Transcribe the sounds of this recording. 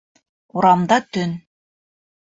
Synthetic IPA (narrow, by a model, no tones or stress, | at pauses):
uɾɑmd̪ɑt̪ɵn